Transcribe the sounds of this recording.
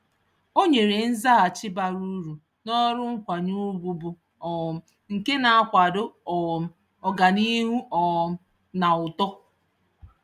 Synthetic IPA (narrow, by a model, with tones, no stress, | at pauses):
o˦ɲe˨ɾe˨n̩˦za˦a˨t͡ʃɪ˦ba˨ɾu˦ɾu˨ | nɔ˦ɾʊ˦ŋ̩˦kʷa˨ɲu˦bu˨bu˨ | ɔ˨m̩˦ | ŋ̩˨ke˦na˨a˦kʷa˨dʊ˦ɔ˨m̩˦ | ɔ˨ɡa˨ni˦ɦu˦ɔ˨m̩˦ | na˨ʊ˨tɔ˦